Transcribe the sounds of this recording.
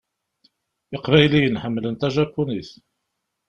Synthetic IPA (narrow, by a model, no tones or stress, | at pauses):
ɪqvæjlijənħəmːlənt̪æʒækʷːuniθ